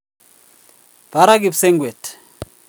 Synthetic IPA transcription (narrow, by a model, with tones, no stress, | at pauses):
ba˨ɾa˦k̬i˨psɛ˦ŋɡwɛ˨tʰ